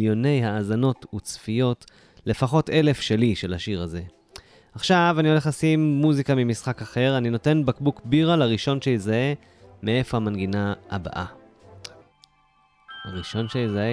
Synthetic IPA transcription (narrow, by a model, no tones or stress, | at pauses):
ljo̞ne̞jhaːzano̞tut͡sfijo̞t | le̞faχo̞te̞le̞fʃe̞liʃe̞laʃiʁaze̞ | aχʃavanio̞le̞χlasimːuzikamimisχakaχe̞ʁanino̞te̞nbakbukbiʁalaʁiʃo̞nʃe̞jezaʔe̞ | mee̞fo̞hamanɡinaa̰ba̰ʔa | haʁiʃo̞nʃejezae